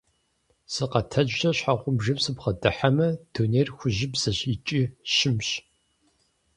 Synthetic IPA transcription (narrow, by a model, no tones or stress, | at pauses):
sɨqɐtʰɐd͡ʒːɐɕħaʁʷʊmʒɐbsɨpχɐdɨħamɐd̥oneːrxʷʊʑɪbzɐɕit͡ʃʼiʃɪmɕ